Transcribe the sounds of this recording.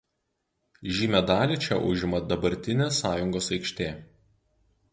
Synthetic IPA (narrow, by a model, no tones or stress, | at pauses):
ʒʲiːmʲɛd̪ɑːlʲiˑt͡ʃʲɛ̰ʔʊ̰ʒʲɪmɐd̪ɐbɐɾʲt̪ʲɪnʲeːsɑːjʊŋɡoːsɐɪkʃʲt̪ʲeː